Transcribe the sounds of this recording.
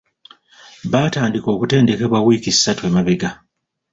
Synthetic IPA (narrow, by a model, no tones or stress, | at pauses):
βaːtaːndiko̞ːkute̞ːnde̞ke̞βwawiːkisːatwemaβeɡa